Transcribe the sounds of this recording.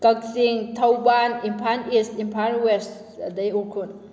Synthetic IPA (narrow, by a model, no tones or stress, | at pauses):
kək̚siŋt̪ʰawbanimpʰanistimpʰanwes | dajukʰun